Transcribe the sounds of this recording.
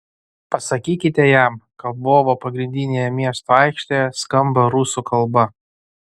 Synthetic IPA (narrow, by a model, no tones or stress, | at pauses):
pɐsɐkʲiːkʲɪt̪ʲɛjæmkɐboːʋopɐɡɾʲɪnʲd̪ʲɪnʲeːjɛmʲiɛst̪oɑɪkʃʲt̪ʲejɛskɐmbɐɾʊsukʰɐlˠbɐ